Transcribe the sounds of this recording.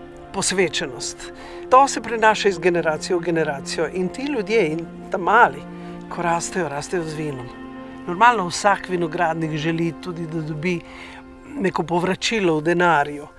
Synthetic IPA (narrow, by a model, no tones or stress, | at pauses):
pɔsʋeːt͡ʃɛnɔst̪ | t̪ːosɛpɾinaːʃaizɡɛnɛɾaːt̪sijɔwɡɛnɛɾaːt̪sijɔʔint̪iljud̪jein | t̪amaːli | kʰɔɾaːst̪ɛjɔɾaːst̪ɛjɔzʋiːnɔm | nɔɾmaːlnɔwsakʋinɔɡɾaːd̪nikʒɛlit̪ud̪id̪ad̪ɔbi | nekɔpɔʋɾat͡ʃilɔwd̪ɛnaːɾju